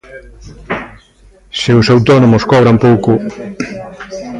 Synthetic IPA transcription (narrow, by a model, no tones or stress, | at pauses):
seʊsawt̪ɔnomʊskɔβɾampowkʊ